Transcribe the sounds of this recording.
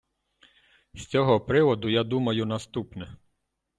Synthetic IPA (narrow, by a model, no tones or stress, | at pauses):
sʲt͡sʲɔɦɔpɾɪʋɔd̪ʊjad̪umɐjʊnɐst̪upnɛ